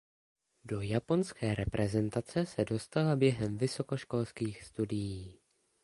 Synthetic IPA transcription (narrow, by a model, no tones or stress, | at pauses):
do̞japo̞nskɛːɾɛpɾʔɛzɛnt̪at͡sɛsɛdo̞st̪alabjɛɦɛmvɪso̞ko̞ʃko̞lskiːxst̪udɪjiː